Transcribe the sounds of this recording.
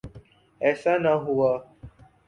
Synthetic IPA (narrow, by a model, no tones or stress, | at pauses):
ɛsanaɦuɔ